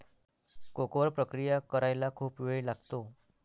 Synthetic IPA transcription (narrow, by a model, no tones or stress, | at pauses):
kokʋəɾpɾəkɾijakəɾajlakʰuːpʋeɭilaɡt̪o